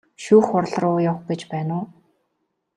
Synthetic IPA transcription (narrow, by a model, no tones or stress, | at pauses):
ʃuːxʊrɮ̆rʊːjawɡet͡ɕpæːnʊː